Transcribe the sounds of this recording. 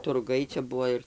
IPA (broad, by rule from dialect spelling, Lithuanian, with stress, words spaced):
tʊrˈɡɐɪ t͡ʃʲɛ ˈbʊʋoː ɪr